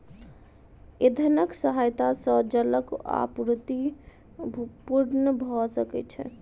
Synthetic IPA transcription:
ed̪ʱənəksəɦajt̪asə̃d͡ʒələka̰puɾt̪i | puɾnəbʱɔsəkɛ̰t͡ʃʰɛ̰

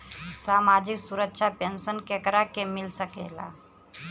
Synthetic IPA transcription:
saːmad͡ʒiksuɾəkːʃʰapensənkekɾakemilsəkḛla̰

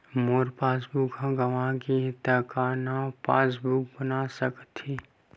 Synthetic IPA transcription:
moːɾpaːsbukɦãɡɐʋãkit̪əkaːnapaːsbuk̚bənasəkt̪ʰi

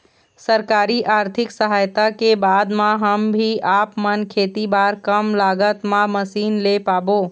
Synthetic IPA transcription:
səɾkaːɾiʔaːɾt̪ʰɪksəɦaːjt̪akebaːd̪mãɦəmbʱiaːpmənkʰeːt̪ibaːɾkəmlaːɡət̪mãməsiːnlepaːboː

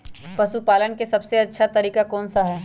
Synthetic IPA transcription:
pɐʃupaːlənkesɐbseɐtːʃʰat̪ɐɾiːkakɔːnsaɦɛː

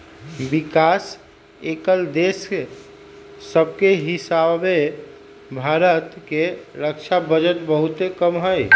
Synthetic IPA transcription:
bikas | ekəld̪es | əb̚keɦisabe | bʱaɾət̪keɾəkt͡ʃʰabəd͡ʒət̪bəɦut̪ekəmɦəj

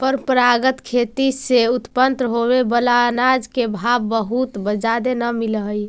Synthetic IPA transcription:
pəɾpɾaɡət̪kʰet̪iseut̪pənt̪ɦobebəlanad͡ʒkebʱabːəɦut̪bəd͡ʒad̪enəmilɦəj

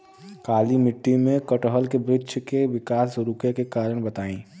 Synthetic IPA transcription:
kaːlimɪʈːimẽkəʈəɦəlkebɾɪtːʃʰkeʋɪkaːsɾʊkjekekaːɾəɽ̃bɐt̪aːĩː

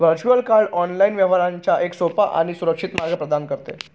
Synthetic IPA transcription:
ʋəɾt͡ɕuəlkaɾɖɔnlainʋjəʋ̤aɾaɲt͡ɕjaʔeksopaʔa̰ɽ̃isuɾəkʂit̪maɾɡəpɾəd̪ankəɾt̪ḛ

